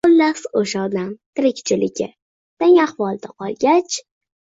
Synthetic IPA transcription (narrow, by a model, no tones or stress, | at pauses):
ʊlːasoʃaɒd̪amt̪ʰɪɾɪkʲt͡ʃʰɪlɪɡʲɪ̰ | t̪eŋaχvɒlˠd̪aqʰɒlˠɡʲat͡ʃ